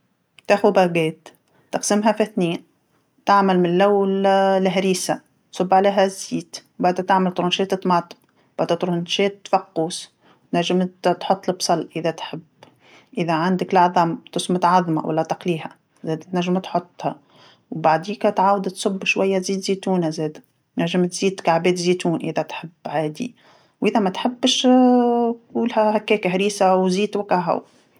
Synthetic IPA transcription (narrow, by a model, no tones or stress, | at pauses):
t̪æxubæɡɛːt̪ː | ɑqsɪmɦæfæθniːn | t̪aʕmælmɪnlːæwːllɦɾiːsa | t̪sʊbːʕaleːɦæzːiːt̪wbaʕd̪æt̪aʕmælt̪ɾunʃɛːt̪ɪt̪mɑːt̪ˤɨb | b̥aʕd̪æt̪ɾunʃɛːt̪ːfɑqːuːs | wt̪næʒːɪmt̪ħʊt̪ˤːlɪbsˤɑlʔʔɪðæt̪ħɪb | ʔɪðæʕand̪ɪklʕðˤɑmt̪ʊsmʊt̪ʕɑðˤma̰wʔa̰lːat̪ɑqliːha̰ | zɛːd̪t̪næʒːɪmt̪ħʊt̪ˤːha | wbaʕd̪iːkat̪ʕaːwad̪t̪sˤʊbːʃwajːat̪ziːd̪ziːt̪uːnazeːd̪ | næʒːɪmt̪z̥iːd̪kaʕbeːt̪ziːt̪uːnʔɪðæt̪ħɪbːʕaːd̪ḭ | wʔɪðamat̪ħɪbːʃ | uːlhahakːɛːkaɦɾiːsawziːt̪wakaɦa̰w